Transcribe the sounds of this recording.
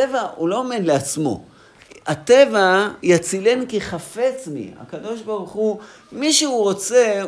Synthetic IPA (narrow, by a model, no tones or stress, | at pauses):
evaulo̞ome̞d̪leat͡smo̞̰ | at̪evajat͡sile̞nkiχafe̞t͡smḭa̰kado̞ʃbaʁuχu | miʃeuʁo̞t͡se̞